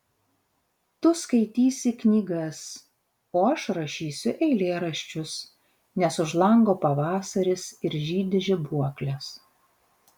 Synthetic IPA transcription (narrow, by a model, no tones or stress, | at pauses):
t̪ʊskɐɪt̪ʲiːsʲɪknʲiːɡɐs | oːɐʃɾɐʃʲiːsʲʊʔɛɪlʲeːɾɐʃʲt͡ʃʲʊs | nʲɛsʊʒlˠɐŋɡoːpɐʋɑːsɐɾʲɪsɪɾʒʲiːd̪ʲɪʒʲɪbuɔklʲɛs